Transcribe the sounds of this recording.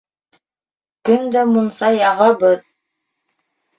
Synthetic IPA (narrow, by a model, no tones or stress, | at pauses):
kɵnd̪æmunsɑjɑʁɤbɤð